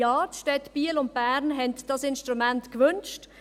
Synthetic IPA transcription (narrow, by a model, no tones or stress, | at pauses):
ɑːtʃtɛt̪b̥iːlʊnt̚b̥æːɾnɦɛntd̥ɑsɪnʃtʁumɛntkʋʏnʃt